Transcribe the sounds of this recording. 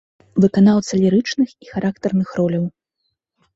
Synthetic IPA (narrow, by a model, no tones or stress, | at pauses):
vɨkan̪awt̪sɐlʲiɾɨt͡ʂnɨxixaɾʔakt̪ɛrnɨxrɔlʲɐw